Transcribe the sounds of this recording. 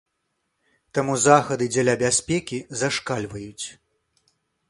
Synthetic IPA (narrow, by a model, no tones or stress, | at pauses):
t̪amuzaxɐd̪ɨd͡zʲalʲabʲasʲpʲɛkʲizaʂkalʲvɐjut͡sʲ